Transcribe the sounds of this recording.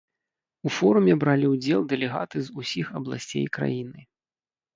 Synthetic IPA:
ufɔɾumʲɛbɾalʲiwd͡zʲɛlˠd̪ɛlʲɛɣa̰t̪ɨzusʲixɐblˠa̰sʲt͡sʲḛjkɾa̰jinɨ

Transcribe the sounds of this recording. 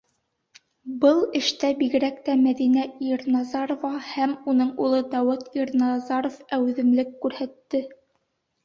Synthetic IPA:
bɤlˠɘ̆ʃt̪æbiɡɘ̆ɾækt̪æmæðinæiɾnɑzɑɾovɑhæmunɤɴulˠɤd̪æwɤt̪iɾnɑzɑɾofæw̆ðɘ̆mlɘkːʉɾhæt̪ːɘ

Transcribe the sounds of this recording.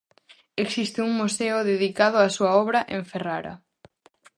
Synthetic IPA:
eksist̪ɪuŋmuseʊðeðikað̞ʊasuɐɔβɾɐʔẽɱferaɾɐ̰

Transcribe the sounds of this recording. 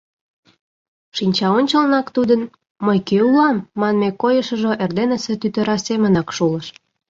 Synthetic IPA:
ʃinʲt͡ɕɑonʲt͡ɕəlnɑkt̪ud̪ən | məjkeulɑmːɑnmekojəʃə̆ʒoʔerd̪enə̆set̪yt̪ə̆ɾɑsemə̆nɑkʃulə̆ʃ

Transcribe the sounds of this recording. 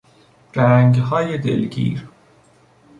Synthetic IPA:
ɾæŋɡɦɒːjed̪ḛlɡḭːɾ

